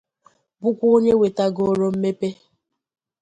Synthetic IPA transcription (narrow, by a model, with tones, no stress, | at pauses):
bʊ˦kʷu˦o˦ɲe˦we˨ta˦ɡo˦ɾo˦m̩˦me˦pe˦